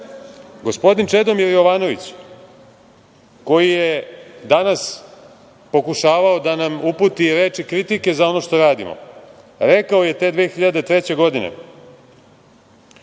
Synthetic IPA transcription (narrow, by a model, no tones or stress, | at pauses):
ɡo̞spo̞d̪int͡ʃed̪omiɾjo̞ʋaːno̞ʋit͡ɕ | ko̞jijed̪anas | po̞kuʃaːʋaod̪anamupuːt̪iɾe̞ːt͡ʂikɾit̪ike̞zao̞no̞ʃt̪o̞ɾaːd̪ḭmo̰ | ɾekaoje̞t̪e̞ːd̪ʋeːxiʎad̪et̪ɾet͡ɕe̞ɡo̞d̪inḛ